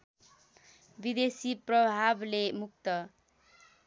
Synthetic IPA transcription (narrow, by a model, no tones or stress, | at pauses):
bid̪esiprʌbʱablemuk̚t̪ʌ